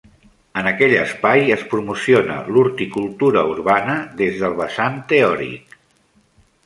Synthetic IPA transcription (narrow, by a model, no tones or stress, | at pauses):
ənəkɛʎəspajəspɾumusionə̰luɾt̪ikulˠt̪uɾəuɾβanəðezðəlˠβəsant̪eɔɾḭk